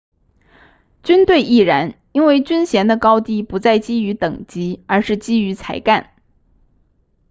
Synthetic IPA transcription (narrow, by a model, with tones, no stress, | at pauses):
t͡ɕy˥nt̪we˥˧ɪʔi˥˩ɻa˧˥n | i˥nwe˥˩ɪt͡ɕy˥nɕjɛ˧˥nd̪ə˧kɑ˥ʊt̪i˥˩pu˧˥t͡sa˥˩ɪt͡ɕi˥y˧˥t̪ɤ˨˩ŋt͡ɕi˧˥ə˞˧˥ʂɻ̩˥˩t͡ɕi˥y˧˥t͡sʰa˧˥ɪka˥˩n